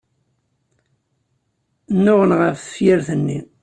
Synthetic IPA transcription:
nːʊʁənʁəfθə̥fjɪɾθənːi

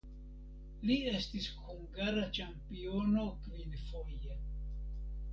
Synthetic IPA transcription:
lie̞stishuŋɡaɾat͡ʃampiono̞kvinfoje

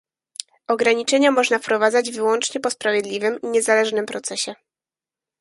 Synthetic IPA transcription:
ɔɡɾaɲit͡ʂɛɲamɔʐnafpɾɔvad̪zad͡ʑvɘwɔnt͡ʂɲɛpɔspɾavʲjɛd̪lʲivɘmiɲɛzalɛʐnɘmpɾɔt̪sɛɕɛ

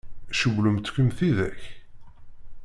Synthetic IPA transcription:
ʃəvləmt̪ːkəmθiðæç

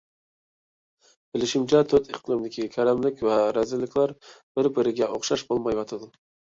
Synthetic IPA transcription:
b̥ɪlɪʃɪmt͡ʃʰɛt̪ʰøt̪ʰɪ̰qt̪ɨlˠomd̪ɪkʲʰikʲʰæɾɛmlɪkʲvɛɾæzɪlːɪkʲlæɾb̥ɪɾbɪɾɪɡʲɛʔoχʃɑʃbolˠmɑjwɑt̪ʰɑd̪ʊ

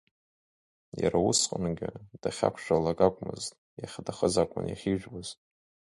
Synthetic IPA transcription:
jaɾausqʼənɡʲɪd̥aχʲa̰kʷʰʃʷᶣalaɡakʷʼmɨztʼ | jaχʲdaχəzakʷʼʊnjaχʲiʒʷᶣbaztʼ

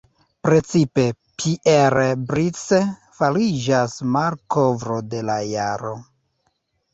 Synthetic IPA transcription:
pɾe̞t͡sipe̞ | pʰiʔeɾbɾit͡se | falid͡ʒasmaɾkovɾo̞de̞lajaɾo̞

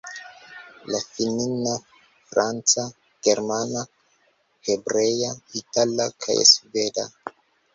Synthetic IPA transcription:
lafinina | fɾant͡sa | ɡ̥eɾmana | hebɾejaitalakʰa̰jsveda̰

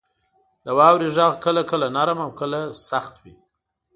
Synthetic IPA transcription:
d̪əwɑwɾiʒaɣkəlakəlanaɾəmawkəlasaxt̪wi

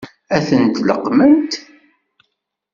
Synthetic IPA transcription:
æθənt̪lə̰qːmənt̪

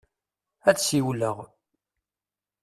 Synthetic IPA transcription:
æðsiwləʁ

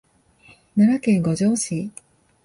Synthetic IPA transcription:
naɾakẽŋɡod͡ʑoːɕi

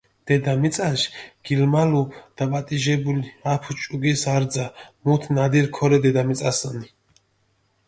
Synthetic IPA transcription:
d̪̥ɛd̪amit̪t͡s̪ʼaʃɡ̥ilmalud̪̥apʼat̪ʼiʒɛbuliapʰut͡ʃʼuɡɛsaɾd̪zamut̪ʰnad̪iɾkʰɔɾɛd̪ɛd̪amit͡s̪ʼasəni

